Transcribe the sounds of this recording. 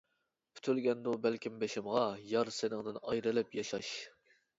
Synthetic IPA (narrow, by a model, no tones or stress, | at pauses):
pʰy̥t̪ʰylɡʲɛnd̪ubælkʲimbeʃɪmʁɑjɑɾsɪnɪŋd̪ɨnɑjɾɨlɪpjɑʃɑʃ